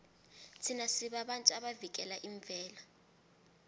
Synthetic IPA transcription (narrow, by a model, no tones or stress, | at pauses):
t͡sʰinasiɓaɓantʼuaɓavik̬ɛlaʔiɱvʱɛːla